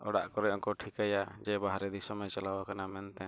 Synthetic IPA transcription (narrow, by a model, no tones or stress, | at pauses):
ɔ̰ɽa̰ʔkɔɾɛɔŋkɔʈʰikajad͡ʒɛbaɦaɾɛd̪isɔmɛt͡ʃalawakanamɛnt̪ɛ